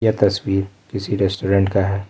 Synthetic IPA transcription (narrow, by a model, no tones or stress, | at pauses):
jat̪ɐswiːɾkɪsiɾɛsʈoɾɛ̃ɳʈkaɦɛː